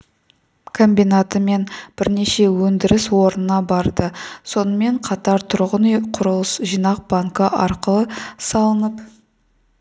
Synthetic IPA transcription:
kʰo̞mbijnat̪əme̞nb̥ɪɾne̞ʃe̞wɵnd̪ɪɾɪswo̞ɾənənɑbɑɾd̪əso̞nəme̞ɴqʰɑt̪ɑɾt̪ʰʊɾʁənqʰʊɾəlˠəsʒijnɑq̚baŋkəʔɑ̰ɾqəlˠəsɑlˠənəp

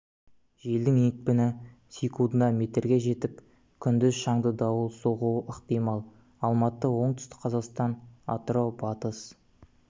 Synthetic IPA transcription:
ʒe̞ld̪ɪŋekpɪnɪ | sʲikund̪ənɑme̞t̪eɾɡʲe̞ʒe̞t̪ɪp̚ | kʲʰʏnd̪ɪzʃɑɴd̪əd̪ɑwəlˠsoʁuəqt̪ijmɑlˠ | ɑlˠmɑt̪ːəwo̞ɴt̪ʏ̥st̪ɪ̥kqʰɑzɑqst̪ɑnɑ̰t̪ɾo̞bɑt̪əs

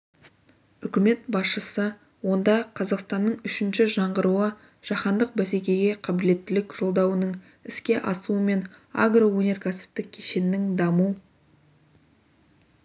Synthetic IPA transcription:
ʏkʲɪme̞t̪bɑsʃəsə | wo̞nd̪ɑqʰɑzɑqst̪ɑnːəɴʏʃɪnʃɪʒɑɴʁəɾuə | ʒ̥ɑχɑnd̪əq̚bæse̞kʲe̞ɡʲe̞qʰɑbɪle̞t̪ːɪlɪkʒ̥o̞lˠd̪ɑwənəɴ | ɪskʲe̞ʔɑ̰suəme̞na̰ɡrowɵnʲe̞ɾkʲʰæsɪ̥p̚t̪ɪk̚ʲʰːe̞ʃe̞nɪnɪŋd̪ɑmu

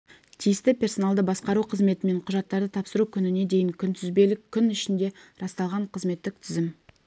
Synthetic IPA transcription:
t̪ʰijɪst̪ɪpʲʰe̞rso̞nalˠd̪əbɑsqɑɾuqʰəzme̞t̪ɪme̞ɴqʰʊʒɑt̪ːɑɾd̪ət̪ʰɑpsəɾukʲʰʏnɪne̞d̪e̞jɪŋkʲʰʏnt̪ʰʏzbe̞lɪkʲʰːʏnɪʃɪnd̪e̞ɾɑst̪ɑlˠʁɑɴqʰəzme̞t̪ːɪk̚t̪ʰʏzɪm

